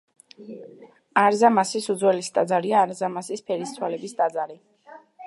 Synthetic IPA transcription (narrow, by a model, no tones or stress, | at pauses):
aɾzamasisud̪zwɛlisd̪ʼad̪zaɾiaːɾzamasispʰɛɾissʰwalɛbisd̪ʼad̪zaɾi